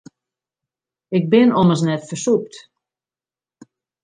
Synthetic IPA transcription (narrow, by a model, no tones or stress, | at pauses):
ɪk̚bɪnɔməs̬nɛtfərsuk̚t